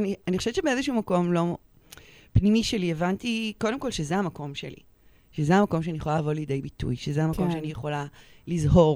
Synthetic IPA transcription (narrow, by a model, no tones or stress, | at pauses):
anianixoʃevt͡ʃebeezeʃuumako̞mlo̞ | pnimiʃelievantiko̞demkolʃezeamako̞mʃḛlḭ | ʃezeamako̞mʃeanieχolalavo̞ljid̪ejbitṵjʃezeamakko̞mʃeanijeχo̞la | lizɦo̞ʁ